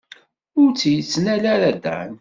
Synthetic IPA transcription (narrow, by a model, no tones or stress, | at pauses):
ʊɾt͡sːjət͡sːnælaɾæd̪æ̰n